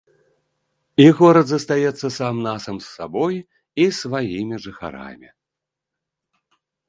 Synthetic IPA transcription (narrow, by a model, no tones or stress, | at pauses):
iɣɔɾɐd̪zɐst̪ajɛt̪sːɐsamnasɐmsːabɔj | isvajimʲiʐɨxa̰ɾa̰mʲi